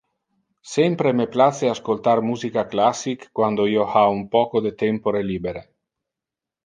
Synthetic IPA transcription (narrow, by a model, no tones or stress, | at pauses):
sɛmpɾemeplat͡seaskolt̪armuzikaklasːikːwand̪oiohaumpɔkod̪et̪ɛmpoɾeliːbeɾe